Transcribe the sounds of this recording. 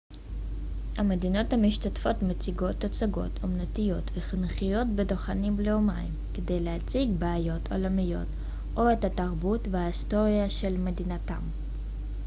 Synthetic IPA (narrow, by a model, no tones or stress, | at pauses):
hame̞dino̞thamiʃtatfo̞tmet͡siɡo̞tːot͡saɡo̞̰tʰomnatijo̞tveχinχijo̞tbedoχanimbleoma̰jimkede̞jlehat͡siɡbeajo̞tʰo̞̰lamijo̞̰t | ʔo̞etataʁbutvehaisto̞ʁijaʃe̞lme̞dinata̰m